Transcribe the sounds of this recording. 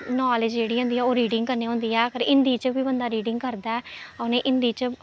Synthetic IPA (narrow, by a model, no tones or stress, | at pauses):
naːlɪd͡ʒd͡ʒeːɽiːɦõːnd̪iːɛːoːɾiːɖɪ̃ŋɡ̚kəɾneːɦõːnd̪iːɛːkəɾɪnd̪iːt͡ʃbiːbənd̪aːɾiːɖɪŋɡkəɾd̪aːɛːnẽːʔɪ̃nd̪iːt͡ʃ